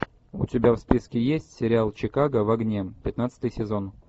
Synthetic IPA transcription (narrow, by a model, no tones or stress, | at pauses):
ʊ̰tʲɪbʲafspʲiskʲɪjesʲtʲsʲɪɾʲɪalˠt͡ɕɪkaɡəvɐɡnʲepʲɪt̪nat̪sə̥t̪ɨjsʲɪzo̞n